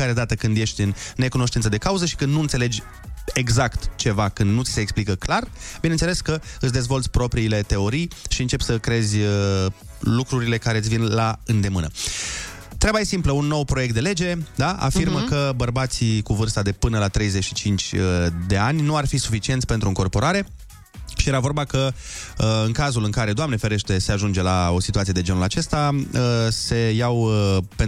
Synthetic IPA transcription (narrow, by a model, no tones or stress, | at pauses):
aɾed̪at̪əkɨnd̪je̞ʃt̪ʲɨnnːe̞kuno̞ʃt̪int̪səd̪e̞kauzəʃi̥kɨnd̪nuɨnt̪sele̞d͡ʒʲ | e̞ɡzakt̪t͡ʃe̞vakɨnd̪nut̪si̥seːksplikəklarbinent̪ele̞skəɨsʲd̪e̞zvo̞lt̪sʲpɾo̞pɾiːle̞t̪e̞o̞ɾijʃiɨnt͡ʃe̞psəkɾe̞zʲ | lukɾuɾile̞kaɾe̞ɨsʲvinlaɨnd̪e̞mɨnə̰ | t̪ɾabaje̞simpləunːo̞wpɾojek̚t̪d̪e̞le̞d͡ʒe̞d̪aa̰firməkəbərbat̪sikuvɨrst̪ad̪e̞pɨnəlat̪ɾe̞jze̞ʃit͡ʃint͡ʃʲəd̪e̞anʲnuarfisu̥fit͡ʃient̪sʲpet̪ɾuɨŋko̞rpo̞ɾaɾe̞ | ʃije̞ɾavo̞rbakə | ɨŋkazulɨŋkaɾe̞d̪oamne̞fe̞ɾe̞ʃt̪e̞se̞aʒund͡ʒe̞lao̞sit̪uat̪ijed̪e̞d͡ʒenulat͡ʃe̞st̪a | se̞jawpen